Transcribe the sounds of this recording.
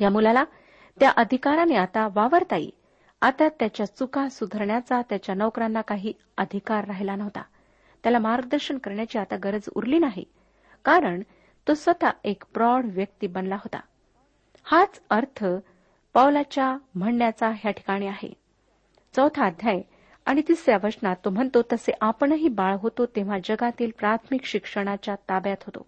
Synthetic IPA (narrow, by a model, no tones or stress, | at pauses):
jamulala | t̪jaʔəd̪ʱikaɾaneat̪aʋaʋəɾt̪aḭ | at̪at̪jat͡ɕjat͡sukasud̪ʱəɾɳjat͡sat̪jat͡ɕjanəwkɾanːakaɦiː | əd̪ʱikaɾːaɦilanəʋt̪a̰ | t̪jalamaɾɡəd̪əɾɕəɳkəɾɳjat͡ɕiːat̪aɡəɾəd͡zṵɾliːnaɦḛ | kaɾəɳ | t̪osʋət̪aekpɾɔɽʋjək̚t̪iːbənlaɦot̪a̰ | hat͡səɾt̪ʰə | pawlat͡ɕjam̤əɳːjat͡saɦjaʈʰi̥kaɽ̃iːaɦḛ | t͡səwt̪ʰaːd̪ʱjaj | aɽ̃it̪isɾjaʋəsnat̪ːom̤əɳt̪ot̪əseʔapəɳɦiːbaɭɦot̪ot̪ẽʋ̤ad͡ʑəɡat̪iːlpɾat̪ʰmikɕikʂəɽ̃at͡ɕjat̪abjat̪ɦot̪o̰